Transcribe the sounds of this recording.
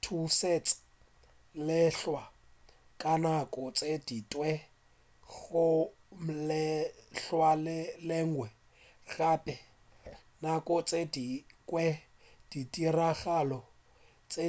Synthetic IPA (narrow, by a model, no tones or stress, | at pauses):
tʰuset͡sʼḁ | lɪɬwa | kʼanakʼɔt͡sʼeditʼwɛ | ɣʊ | mlɛɬwalɪlɛŋwɛ | ɣapʼɛ | nakʼɔt͡sʼedikʼwɛ | d̥itiraɣalɔ | t͡sʼe